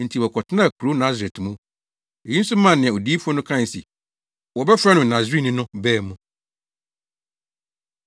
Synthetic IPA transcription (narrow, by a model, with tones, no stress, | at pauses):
n̩˨tʰi˨wɔ˨kʰɔ˨tʰɪ˦nã˦˨kʰɾo˦nã˦zɛ˨tʰmũ˦ | e˨jĩ˦n̩˦su˦mã˨nɪ̃˨ɛ̃˨o˨di˦i˦fɔ˦nʊ̃˦kʰã˦˨n˨sḭ˨ | wɔ˨bɛ˦fɾa˦nʊ̃˨nã˨zi˦nɪ̃˦nʊ̃˦bɛː˦˨mũ˨